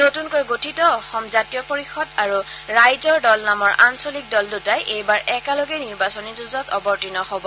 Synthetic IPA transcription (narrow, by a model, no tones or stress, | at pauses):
notunkojɡotʰitɔːxɔmzatijɔpoɹixɔdaɹuɹajzɔɹdɔlnamɔɹʔansolik̚dɔldutajʔejbaɹʔɛkalɔɡɛniɹbasɔnizuzɔtɔbɔɹtinɔxɔbɔ